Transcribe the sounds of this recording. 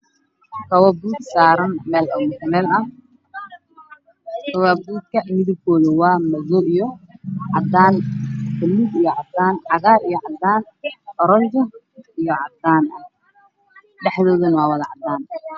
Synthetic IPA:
kʰɐwɐbuːd̪saːɾɐnmɛːlʔɐmʊtmɛːlɐ | kʰɐwɐbuːd̪̚kʰɐmɪðɪb̚kʰɔːðɐwɑːmɐðɔʔijɔʕɑd̪aːnfɐlːibijɔʕɑd̪aːnʕɑɣaːɾijɔʕɑd̪aːn | ɔɾɔnd͡ʒɐ | ijɔʕɑd̪aːnʔɐh | ɖɛħðɔːðɐnwɑːwɐðɐʕɑd̪aːn

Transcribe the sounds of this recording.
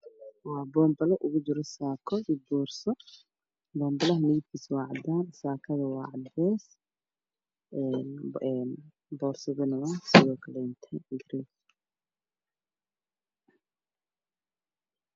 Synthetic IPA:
wɑːbɔːmbɐlɐʔʊɣʊt͡ʃɪɾɔsaːkʰɔʔiːbɔːrsɔ | bɔːmbɐlɐɦɐnɪɪd̪kʰiːswɑːʕɑd̪aːnsaːkʰɐðɐwɑːʕɑd̪ɛːs | ɛnɛn | bɔːrsɔɣʊnɐwasɪðɔːkʰɐlɛɪnt̪ʰɐjɡɪɾɛːs

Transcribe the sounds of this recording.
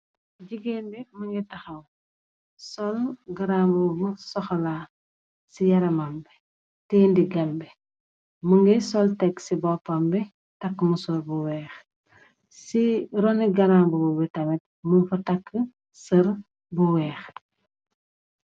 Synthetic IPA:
ɟiɡenbimɐŋɡitɐxɐm | sɔlɡɐɾaːmbumusɔxɔlaː | sijɐɾɐmambɛ | tɛːndiɡɐmbɛ | muŋɡisɔltɛkːsibɔpambɛ | takːmusɔlbuwɛːx | siɾɔniɡɐɾambububɛtɐmɛt̚munfɐtakːə | sɐɾ | buwɛːx

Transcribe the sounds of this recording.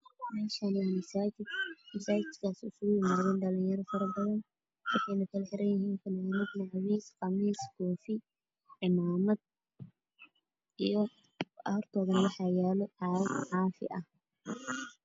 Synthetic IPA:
mɛːʃɐnɛmɐsaːt͡ʃɪd̪mɪsaːt͡ʃɪkaːsʊsɣʊjɪmaːðɛːnɖɐlijɐɾɔfɐɾɐbɐðɐn | wɑħɑjnɐkʰɐlɛħɪɾɐnjɪɦiːnfɐnɛnɐd̪nɑʕwiːsqɑmiːskʰɔːfi | ʕɪmaːmɐd̪̚ | ijɔ | ɐɔrt̪ʰɔːðɐnwɑħɑːjaːlɔʕɑʕɑːfɪ̰ʔɐh

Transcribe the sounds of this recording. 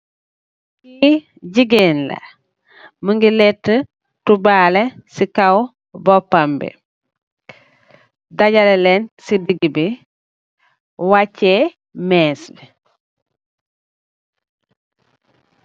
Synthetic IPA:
ki | ɟiɡenla̰ | məŋɡilɛtːə | tubalesikaw | bɔpːambḭ | daɟalelɛnsidiɡibi | wacːe | mɛːsbi

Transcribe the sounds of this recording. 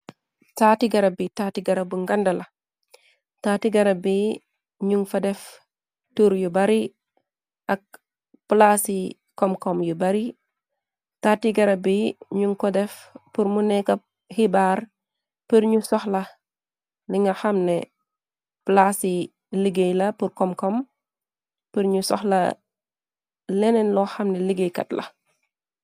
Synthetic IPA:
taːtiɡɐɾabitatiɡɐɾabuŋɡɐndɐla | taːtiɡɐɾabi | ɲuŋfɐdɛf | tuɾjubaɾi | ʔak̚ | plasi | kɔmkɔmjubaɾi | tatiɡɐɾabiɲuŋkodɛfpuɾmunɛkɐ | hibaːɾ | pəɾɲusɔxlɐ | liŋɡɐxamnɛ̰ | plasi | liɡejlɐpuɾkɔmkɔm | pəɾɲusɔxlɐ̰ | lɛnɛnlɔxɐmnɛliɡejkɐ̰tlɐ̰

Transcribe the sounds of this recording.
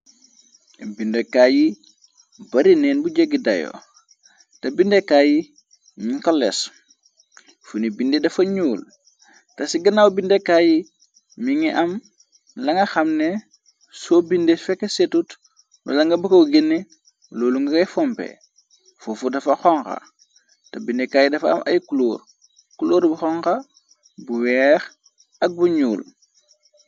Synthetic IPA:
bindekaːji | bɐɾinɛːnbuɟeɡidɐ̰jo̰ | tɐbindekaːji | miŋkɔlːɛ̰s | funibindedɐfɐɲuːl | tɐsiɡɐnawbindekːaːji | miŋiʔɐm | lɐŋɡɐxɐmne | sobindefɛkːesetut | nṵlɐŋɡɐbɐkɐwɡenːe | loːluŋɡɐɡɐjfɔmpḛ | fufudɐfɐxɔŋxɐ̰ | tɐbindekajidɐfɐ̰mʔɐ̰jkuloːɾ | kuloːɾbuxɔŋkɐ | buwɛːx | ɐk̚buɲṵːl

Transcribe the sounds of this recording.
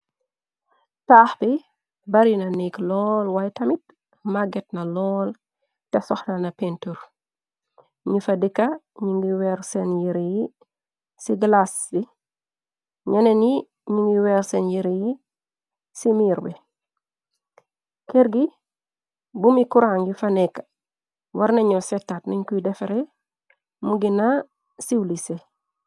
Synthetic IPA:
taːxbi | bɐɾinɐniklɔːlwajtɐmit̚ | maɡɛt̚nɐlɔːl | tɛsɔxnɐnɐpɛntur | ɲifɐdikːɐ | ɲiŋɡiwɛɾsɛnjiɾiji | siɡlasdi | ɲɐneni | ɲiŋɡiwɛːɾsenjiɾiji | simiːɾbɛ | kɛɾɡi | bumikuɾaːŋɡifɐnɛkːɐ̥ | wɐɾnɐɲɔsɛtːaːtnɐɲkujdɛfeɾɛ | muɡina | siwlise

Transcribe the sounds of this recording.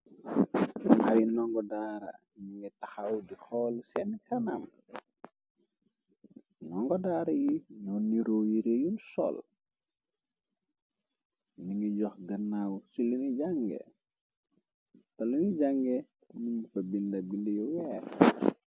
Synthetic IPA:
ʔajnɔŋɡɔdaːɾɐ̰ | niŋɡɛtaxawdixɔlsɛnkanɐm | nɔŋɡɔdaːɾɐjinɔnːiɾɔjiɾejunsɔ̰l | niŋɡiɟɔxɡɐnːawsuliniɟaŋɡɛ̰ | tɐluniɟaŋɡɛ | ninfɐbindɐbindijɔwɛɾ

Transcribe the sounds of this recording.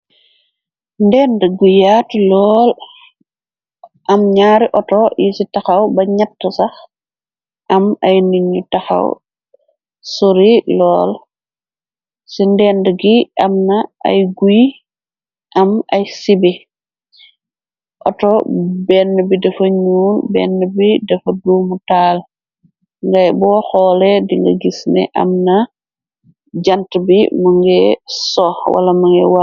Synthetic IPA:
ndɛːndɡujaːtlɔːl | ʔɐmɲaːɾiʔɔtɔjisitɐxɐwbɐɲɐtːəsɐx | ʔɐmɐjnuɲutɐxɐ̰w | soɾilɔːl | sindɛːndɡiʔɐmnɐʔɐ̰jɡuj | ʔɐmɐjsibi | ʔɔtɔbɛnːəbidɐfɐɲuːnbɛ̰nːəbidɐfɐduːmutaːl | ŋɡɐjbɔːxɔːlɛdiŋɡɐ̰ɡisnɛ̰ʔɐ̰mnɐ | d͡ʒantbimɐŋɡɛsɔːxwɐ̰lɐmɐŋɡɛ̰wa

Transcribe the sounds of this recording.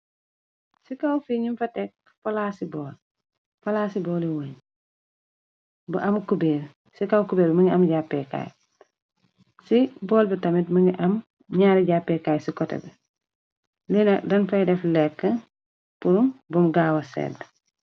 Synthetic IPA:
sikawfiːɲimfɐtɛk̚ | fɐlasibɔːl | fɐlaːsibɔːliwəːɲ | bɐʔɐmkubeːɾ | sikawkubeːɾbmɐŋɡiɐmɟapːɛka̰ːj | sibɔːlbitɐmitmɐŋɡiʔɐm | ɲaːɾiɟapːɛkaːjsikɔtɛ̰bɛ | linɐdɐnfɐdɛflɛkːə | puɾumbumɡaːwɐsɛ̰ːd

